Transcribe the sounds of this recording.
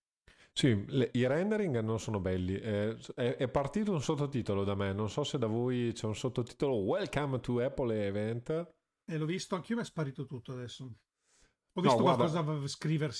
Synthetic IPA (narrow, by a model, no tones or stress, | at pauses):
sileiɾɛnd̪eɾiŋɡnonsoːnobɛlːiʔɛɛʔɛpːart̪iːt̪̬ounsot̪ːot̪iːt̪olod̪amenonsɔsed̪avojt͡ʃɛunsot̪ːot̪i̥ːt̪olowɛlkamt̪uɛpːolevɛnt̪ | ɛlɔvist̪oaŋk̟iomaspaɾiːt̪ot̪ut̪ːoad̪ɛsːo | ɔvnsɡ̪owkaɾd̪kɔzavskɾiːvers